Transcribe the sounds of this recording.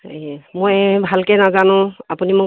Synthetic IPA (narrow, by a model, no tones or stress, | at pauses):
mojbʱalkɛnazanʊ̃apunimʊ